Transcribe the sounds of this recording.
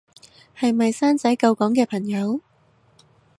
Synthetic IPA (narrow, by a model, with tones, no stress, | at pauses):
hɐ˨jmɐ˨jsaː˥nt͡sɐ˨˥jkɐ˧wkɔː˨˥ŋkɛː˧pʰɐ˨˩ŋjɐ˨˧w